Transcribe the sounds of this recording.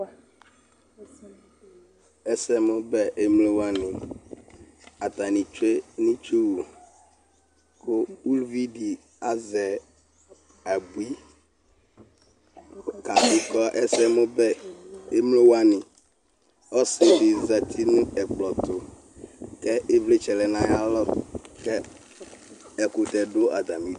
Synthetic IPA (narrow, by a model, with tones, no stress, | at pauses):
ɛ˦sɛ˦mʊ̃˦bɛ˦ʔe˦mle˦wa˦nɪ̃˨ | a˨t̪a˨nĩ˨t͡ʃe˦nĩ˦t͡ʃu˦wu˨ | kʊ˦u˦lvi˦di˨ | a˦zɛ˨ | a˨bu˨˦i˦ | ka˨fi˦kɔ˦ʔɛ˦sɛ˦mo˦bɛ˦e˦mlo˦wa˦nĩ˨ | ɔ˦se˨bi˨za˨t̪ʰi˦nũ˦ɛ˨k͡plɔ˨t̪o˨ | kɛ˦ʔe˦vle˦t͡ʃɛ˨lɛ˨nã˦ja˦lɔ˦kɛ˦ | ɛ˦ko˨t̪ɛ˨ɖo˦a̰˨d̪a˨mĩ˦˨